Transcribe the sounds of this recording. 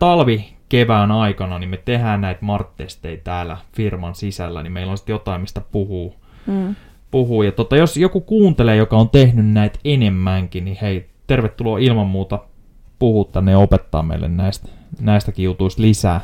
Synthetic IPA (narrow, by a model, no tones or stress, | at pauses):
t̪ɑlʋikeʋæːnɑikɑnɑnimet̪ehæːnnæit̪mɑrt̪ːest̪ːeit̪æːlːæ̰firmɑnsisælːæ̰nimeilːonsi̥t̪jot̪ɑimmist̪æpuhuː | puhuːjɑt̪ot̪ɑjosjokukuːnt̪eleːjokɑont̪ehnynnæit̪enemːæŋkinnihei | t̪erʋet̪ːuloːilmɑmmuːt̪ɑ | puhuːt̪t̪ænːeopet̪ːɑ̰ːmḛilːḛnnæist̪næist̪ækiut̪uist̪lisæː